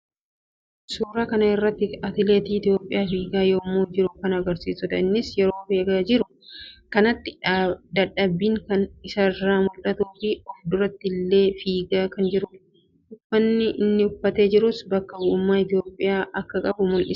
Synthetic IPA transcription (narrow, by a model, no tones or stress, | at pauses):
suːɾɐːkɐnɐɪrːɐt̪ːɪɐt̪ɪleːt̪iːɪt̪ɪjo̞ːpʼːɪjaːfiːɡaːjoːmːuːd͡ʒɪɾʊkɐnɐɡɐɾsiːsʊt̪ɐ̰ɪnːɪsjɛɾoːfeːɡaːd͡ʒɪɾʊ | kɐnɐt̪ːɪ̥d̪ɐᶑːɐbːiːŋkɐnɪsɐrːaːmʊlɐt̪uːfiɔfd̪ʊɾɐt̪ːɪlːe̞ːfiːɡaːkɐnd͡ʒɪɾʊ | ʊfːɐnːɪʔɪnːɪʊfːɐt̪e̞ːd͡ʒɪɾʊsbɐkːɐbʊʔʊmːaːɪt̪ɪjo̞ːpʼːɪjaːʔɐkːɐkʼɐbʊmʊnʔɪ